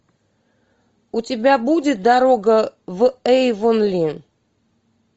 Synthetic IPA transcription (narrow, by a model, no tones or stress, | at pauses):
utʲɪbʲabudʲɪt̪̚d̪aɾoɡəvɨɛjvonlʲin